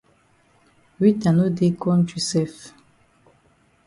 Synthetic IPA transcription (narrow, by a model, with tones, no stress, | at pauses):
wi˦ta˨nu˦di˦kɔ˦nt͡ʃi˨sɛ˦˨f